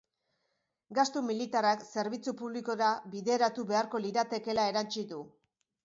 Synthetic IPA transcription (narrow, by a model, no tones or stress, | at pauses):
ɡast̪umilit̪arakse̞ɾβit͡supuβliko̞ɾabiðe̞ɾat̪uβe̞aɾko̞liɾat̪e̞ke̞lae̞ɾant͡ʃiðu